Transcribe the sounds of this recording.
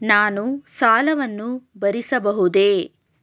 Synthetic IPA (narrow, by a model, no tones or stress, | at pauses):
naːnusaːlɐʋɐnːubɐɾisɐbɐɦud̪eː